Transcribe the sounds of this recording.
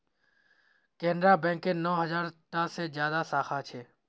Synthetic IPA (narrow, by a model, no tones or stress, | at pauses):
keːnɾaːbɛ̃ːŋkeːnoːɦəzaːɾʈaːseːd͡ʒjaːd̪aːsaːxʰaːt͡ʃʰeː